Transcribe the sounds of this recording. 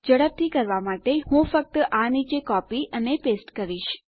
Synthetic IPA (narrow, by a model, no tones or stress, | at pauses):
d͡ʒəɽəb̚t̪ʰikəɾʋamaʈehũfək̚t̪əʔanit͡ʃekɔpiʔənepesʈkəɾiʃ